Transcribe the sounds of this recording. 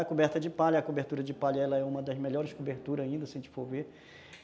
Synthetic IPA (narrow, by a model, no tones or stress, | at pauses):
ɐkobɛɾt̪ɐd͡ʒɪpaʎɐkobeɾt̪uɾɐd͡ʒɪpaʎɐɛlɐɛũmɐd̪ɐzmeʎɔɾɪskobeɾt̪uɾɐzaĩnd̪ɐsɪẽt͡ʃɪ̥foɾveɾ